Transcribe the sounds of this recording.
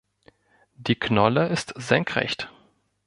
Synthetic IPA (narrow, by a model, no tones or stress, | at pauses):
d̥iːknɔləɪstz̥ɛŋkʁ̥ɛ̰çt